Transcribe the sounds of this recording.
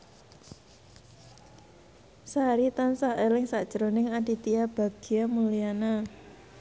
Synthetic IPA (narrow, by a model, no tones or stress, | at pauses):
saɾit̪ansaelɪŋsaʔd̥ʒ̥əɾonɪŋaɳɖit̪iab̥a̤ɡ̥i̤amulijana